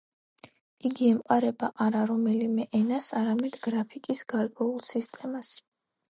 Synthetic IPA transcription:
iɡiɛmqʼaɾɛbaʔaɾaɾɔmɛlimɛʔɛnasaɾamɛd̪ɡɾapʰikʼisɡaɾkʼwɛulˠsist̪ʼɛmas

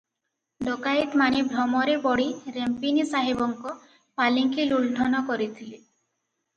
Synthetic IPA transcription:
ɖokait̪manibʱɾɔmɔɾepɔɽiɾempinisaɦibɔŋkɔ | paliŋkilulʈʰɔnɔkɔɾit̪ʰile

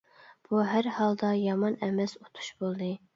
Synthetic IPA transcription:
b̥uɦæɾhɑlˠd̪ɑjɑmɑnɛmɛsot̪ʰu̥ʃb̥olˠd̪ɨ

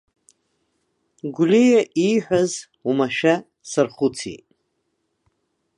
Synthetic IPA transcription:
ɡʷlejaʔiħʷᶣaz | umaʃᶣa | sarχʊt͡sʰḭ

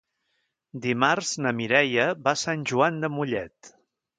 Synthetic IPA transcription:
d̪imarznəmiɾɛjəβasanʲʒuand̪əmuʎɛt̪

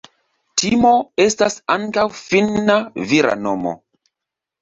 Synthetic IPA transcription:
tʰimo̞e̞stasaŋkawfinaviɾa̰nomo̰

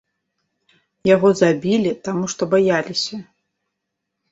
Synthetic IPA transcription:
jaɣɔzabʲilʲit̪amuʂt̪ɔbajalʲisʲɐ

